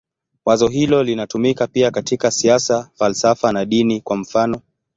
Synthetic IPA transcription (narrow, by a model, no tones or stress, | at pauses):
wazɔɦilɔlinatumikapiakatikasiasafalsafanaɗinikwam̩fanɔ